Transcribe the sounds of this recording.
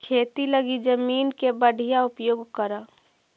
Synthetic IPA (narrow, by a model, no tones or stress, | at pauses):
kʰeːt̪iləɡid͡ʒəmiːnkebəɖʱijaʊpjoːɡkəɾa